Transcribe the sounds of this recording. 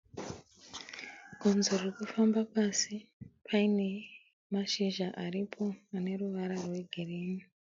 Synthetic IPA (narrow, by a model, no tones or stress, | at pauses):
ɡʱonzorekufambapasipʰaine̞ | maʃiʒaʔaɾipʰo̞ane̞ɾuʋaɾarwe̞ɡʱiriːni